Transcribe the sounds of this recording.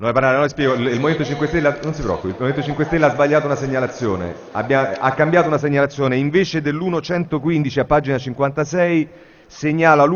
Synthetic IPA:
noɛpaɾnaɾenɔispjɛːɡolilmoment̪ot͡ʃiŋkwest̪elːanonsipɾɔ̰kːoilmoment̪ot͡ʃiŋkwest̪elːaazbaʎːaːt̪ounaseɲːalat̪sːjoːnḛ | a̰bjaakːambjaːt̪ounas̬eɲːalat̪sːjoːneiɱveːt͡ʃed̪elːuːnot͡ʃɛnt̪okwind̪it͡ʃiapːaːd͡ʒinat͡ʃiŋkwant̪asɛj | seɲːaːlal

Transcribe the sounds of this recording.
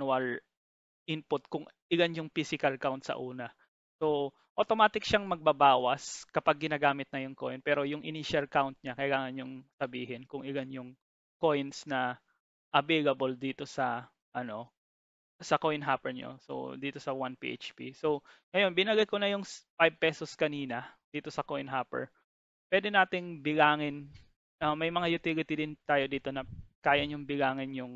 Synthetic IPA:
wɐl | ʔɪnpʊt̪̚kʊŋʔɪɡanjʊŋfiːsɪkɐlkawnt̪̚sɐ̰ʔuːnɐ | so | ʔot̪omaːt̪ɪk̚ʃɐŋmɐɡ̚bɐbaːwɐskɐpaɡ̚ːɪnaːɡaːmɪt̪̚nɐjʊŋkojnpɛːɾo̞jʊŋʔɪ̰niʃɐlkawnt̪̚ɲakɐjlaːŋɐnjʊŋsɐbiːɦɛnkʊŋʔɪɡanjʊŋ | ko̞jnsnɐ | ʔɐbɛjlɐbold̪iːt̪o̞sɐ | ʔɐno̞ | sɐkojnɦaːpɛɹɲo̰so̰d̪iːt̪o̞sɐwanpḭːʔḛt͡ʃpḭso̞wŋɐjo̞nbɪnɐɡɐjkonɐjʊŋpajb̚pɛsoskɐniːnɐd̪̥iːt̪o̞sɐkojnɦaːpɛ̰ɹ | pwɛːd̪ɛnaːt̪ɪŋbɪɡaːŋɪn | ɐmɐjmɐŋajʊt̪ilɪt̪ɪd̪ɪnt̪aːjo̞d̪iːt̪o̞nɐkaːjɐɲʊŋbɪɡaːŋɪnjʊŋ

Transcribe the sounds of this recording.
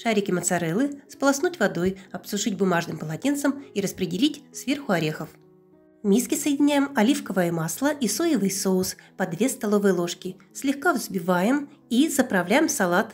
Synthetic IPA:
ʂaɾʲɪkʲɪmət̪sɐɾɛlˠɨsplˠɐsnutʲvɐd̪o̞jɐpsʊʐɨtʲbʊmaʐnɨmpəlˠɐtʲint̪səmiɾəspɾʲɪdʲɪlʲitʲsvʲe̞rxʊɐɾʲe̞xəf | mʲiskʲɪsəjɪdʲɪnʲæjɪmɐlʲifkəvəjəmaslˠəʔisojɪvɨjsoʊspɐd̪vʲe̞st̪ɐlˠovɨjəlˠo̞ʂkʲɪ | sʲlʲɪxkavzbʲɪvajɪm | izəpɾɐvlʲæjɪmsɐlˠat̪

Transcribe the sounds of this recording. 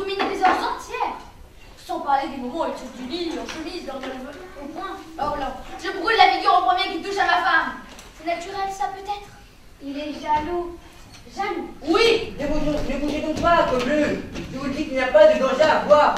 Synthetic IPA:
umined̪ezɔ̃ʁzɑ̃t̪jɛʁ̥ | sɔ̃paʁled̪emɔmɑ̃et̪ud̪ylilɔsulislɔʁd̪lvomwɛ̃aulaʒəbʁud̪lafiɡʲyʁopχəmjekʲimt̪uʃamafamsɛnat̪yʁɛlsapøt̪ɛt̪χ | ilɛʒalo | ʒɛmwinevuʒɔ̃mebuʒeɡɔ̃dwakɔmløʒəvuld̪ikilnɲjapad̪əɡ̪ɑ̃ʒɛavwaʁ

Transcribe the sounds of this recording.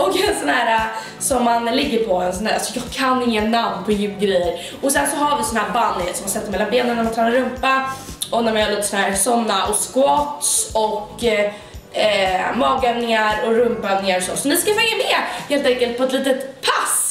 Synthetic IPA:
ɔkɛnsɔnɦæːɾa | sɔmːanlɪɡːəɾpʰɔɛnsɔnhæːɾasɔjɑːɡkʰanːnjːnamnpʰɔjʉːɡɾɛjːəɾ | ɔsɛnsɔɦaɾvɪsɔnahæːɾbanːsɔmhansɛt̪ːəɾmɛlːanbeːnənːæɾmant̪ʰɾɛːnaɾɵmpa | ɔnæɾmanhaːliːt̪əsɔnæːɾsɔnːaʔɔskʊɔt̪sɔkː | mɑːɡœvnɪŋaɾɔɾɵmpœvnɪŋaɾɔsɔ̰sɔnɪskafɛŋːamɛːheːlt̪ɛŋkəlt̪̚pʰɔɛt̪liːt̪ət̪pʰːas

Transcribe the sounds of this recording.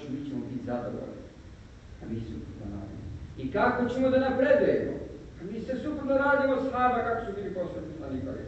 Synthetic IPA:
emiːt͡ɕemobit̪ʲzad̪o̰ʋo̰l̰ni | a̰miːsṵpɾob̪noɾa̰ːd̪ḭmoikako̞t͡ɕemod̪anapɾed̪ujemo̰ | amiːsesupɾob̪noɾaːd̪imosnaːmakakosubiːliposlˠed̪nioslaniːt̪aɾḭ

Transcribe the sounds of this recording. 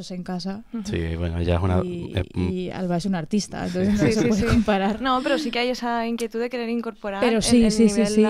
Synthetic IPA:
ose̞ŋkasasḭβwenoʝaesunaḛa̰lβaʃunaɾt̪ist̪a̰ḛnt̪onθeznos̬epweðekompaɾaɾnope̞ɾosikeajesaiŋkje̞t̪uðeke̞ɾe̞ɾiŋko̞ɾpoɾapeɾosisisisi

